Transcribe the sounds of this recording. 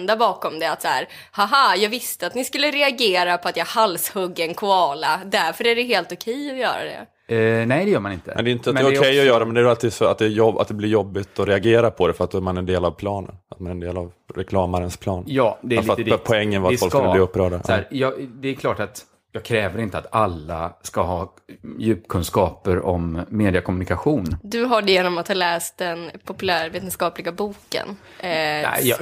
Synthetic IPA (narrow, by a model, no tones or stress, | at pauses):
nd̪abɑːkɔmd̪ɛat̪sahæːɾ | haɦajɑːɡvɪst̪əat̪nɪskɵlːəɾɛaɡeːɾapʰɔat̪jɑhalshɵɡːɛnkʰʊɑːlad̪æɾfœɾæɖɛɦeːlt̪ʊkʰɛjːɔjœːɾa̰d̪ɛ̰ | nɛjd̪ɛjœːɾmanɪnt̪ə̰ɛ̰nd̪ɛjʏnt̪əat̪ɛɾʊkʰɛjːɔjœːɾamɛnd̪ɛæɾalt̪ɪsɔa̰t̪̚d̪ɛjɔa̰t̪̚d̪ɛblɪɾjɔbːɪt̪ɔɾɛaɡeːɾapʰɔd̪ɛfœɾat̪̚d̪oɾmanɛnd̪eːlavpʰlɑːnə̰nat̪manɛnd̪eːlav | ɾɛkʰlɑːmaɾənspʰlɑːnjɑːd̪ɛlfɾat̪pʰɔɛŋːənvafɔlkk̪ːb̪iːɵpːɾœːɖaɾjɑd̪ɛɛɾkʰlɑːʈat̪ | jɑːɡ̚kʰɾɛːvəɾɪnt̪əat̪alːaskahɑː | jʉ̟ːpkʰɵnskɑːpəɾɔmːeːd̪ɪakʰɔmɵnɪkaɧuːnd̪ɵɦaɖɛjeːnɔmat̪hɑːlɛːst̪̚d̪ɛnpʰɔpɵlæːɾveːt̪ɛnskɑːplɪɡabuːkə̰n | ɛ̰